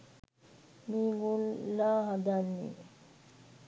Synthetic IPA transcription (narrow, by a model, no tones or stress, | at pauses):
miɡulːaɦad̪anːḭ